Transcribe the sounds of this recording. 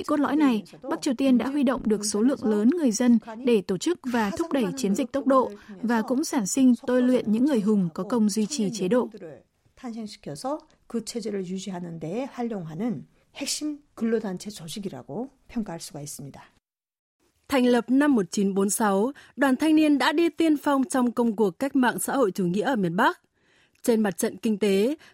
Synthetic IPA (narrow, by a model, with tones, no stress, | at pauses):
ḭ˧˨ko˦˥t̚lɔ̰˧˥jna˨˩jɓa˦˥k̚t͡ɕi˨˩əwt̪i˧ənɗa̰ː˧˥ɦwi˧ɗo̰˧˨wŋ͡mɗɨ˨˩ək̚so˨˦lɨ̰˧˨əŋləː˨˦nŋɨ˨˩əjzə˧nɗe˧˩t̪o˧˩t͡ɕɨ˦˥k̚vaː˨˩t̪ʰʊ˦˥k͡p̚ɗə˧˩jt͡ɕi˨˦ənzï˨˩k̟̚t̪ə˦˥wk͡p̚ɗo̰˧˨vaː˨˩kʊ̰˧˥ŋ͡msaː˧˩nsï˧ŋ̟t̪o˧jlwḭ˧˨ənɲɨ̰˧˥ŋːɨ˨˩əjɦʊ˨˩ŋ͡mkɔ˨˦kə˧wŋ͡mzwi˧t͡ɕi˨˩t͡ɕe˨˦ɗo̰˧˨ʔ | t̪ʰansʰeŋɕʰi̥kʰjʌsʰʌ | kɯt͡ɕʰed͡ʑeɾɯɭjud͡ʑiɦanɯndeːhaʎːjoŋɦanɯn | hek̚ɕimkɯlːodant͡ɕʰet͡ɕʌ˨ɕʰiɡiɾa̰ɡo | pʰjʌŋk͈aɦaɭsuɡais͈ɨ˨mɲida | t̪ʰa˨˩jŋ̟lə˨˩p̚na˧mːo˨˩t̚t͡ɕi˨˦nɓo˨˦nsa˨˦wɗwaː˨˩nt̪ʰa˧jŋ̟ni˧ənɗa̰ː˧˥ɗi˧t̪i˧ənfa˧wŋ͡mt͡ɕɔ˧wŋ͡mkə˧wŋ͡mku˨˩əkːa˦˥jk̟̚ma̰ː˧˨ŋsa̰ː˧˥ho̰˧˨jt͡ɕu˨˧˩ŋḭ˧˥əʔəː˧˩mi˧˩ənɓa˦˥k̚ | t͡ɕe˧nma˨˩t̚t͡ɕə̰˧˨nkï˧ŋt̪e˨˦